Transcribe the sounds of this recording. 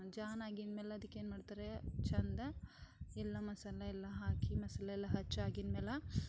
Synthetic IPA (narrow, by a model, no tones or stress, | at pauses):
d͡ʒaːnaːɡinmeːlɐɐd̪ikːeːnmaːɽit̪aːɾet͡ʃɐnd̪ɐɛlːɐmɐsɐlɐɛlːɐɦaːkimɐsɐlɐɛlːɐɦɐt͡ʃːaːɡinmeːlɐ